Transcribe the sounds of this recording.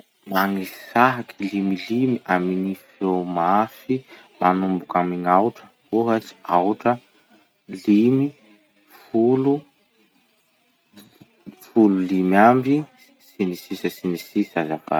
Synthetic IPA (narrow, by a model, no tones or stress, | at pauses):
maŋisaɦakʰilimilimiʔaminifiomafi | manumbukamiŋawʈ͡ʂə̥koɦət͡si̥awʈ͡ʂə | limi | fulu | fululimambi | sinisisəsinisisazapa̰